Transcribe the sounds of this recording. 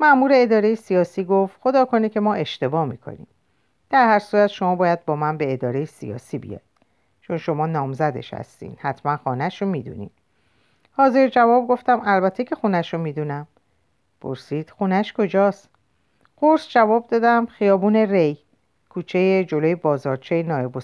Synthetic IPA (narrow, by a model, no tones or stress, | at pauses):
mæmuːɾe̞ːd̪ɒːɾe̞jesijɒːsiːɡoft̪xo̞d̪ɒːkʰo̞nicʰe̞mɒːʔe̞ʃt̪e̞bɒːmikʰo̰nḭm | d̪̥æɾhæɾsuːɾæt̪ʃomɒːbɒːjæd̪̚bɒːmænbeːd̪ɒːɾe̞jesḭjɒ̰ːsiːbḭjɒ̰jd̪̥ | t͡ʃʰo̞nʃo̞mɒːnɒːmzæd̪ḛʃhæ̰st̪ḭːnd̪̥hæt̪ʰmænxɒːnæʃomid̪ṵnḭd | hɒːze̞ɾd͡ʒævɒːb̚ɡo̞ft̪æmælbæt̪ʰe̞cʰe̞xunæʃomiːd̪unæm | pʰo̞̰ɾsiːd̪̥xunæʃkʰo̞d͡ʒɒːst̪ | ɢoɾsd͡ʒævɒːb̚d̪ɒːd̪æmxijɒːbuːne̞rej | kʰuːt͡ʃʰejed͡ʒo̞lojebɒːzɒːɾt͡ʃʰejenɒːebo